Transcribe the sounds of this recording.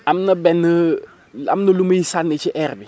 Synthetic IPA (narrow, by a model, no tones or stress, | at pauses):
amnɐbɛnːə | a̰mnɐluməjisanːət͡ʃiʔɛɾbi